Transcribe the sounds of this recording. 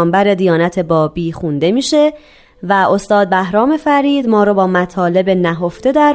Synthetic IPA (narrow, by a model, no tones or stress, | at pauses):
mbæɾed̪ijɒːnæt̪ʰe̞bɒːbiːxund̪e̞miːʃe̞ | væo̞st̪ɒːd̪̚bæɦɾɒːme̞fæɾiːd̪mɒːɾoːbɒːmæt̪ʰɒːle̞benæɦo̞ft̪e̞d̪æɾ